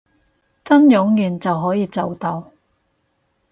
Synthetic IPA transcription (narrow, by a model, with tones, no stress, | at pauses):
t͡sɐ˥njʊ˨˥ŋjyː˨nt͡sɐ˨wɦɔː˨˥jiː˨˧t͡sɐ˨wt̪ɐ˨˧w